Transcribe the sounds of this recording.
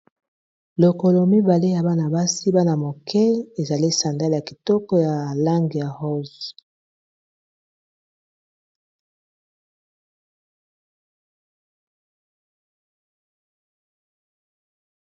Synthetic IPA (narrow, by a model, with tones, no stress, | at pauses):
lo˨ko˨lɔ˨mi˦ba˨le˦ja˨ba˦na˨ba˦si˦ba˦na˨mo˨kʰɛ˦e˨za˨li˦sa˨nda˦la˨ki˨tɔ˦kɔ˦ja˨la˦ŋɡi˨ja˨hɔ˦z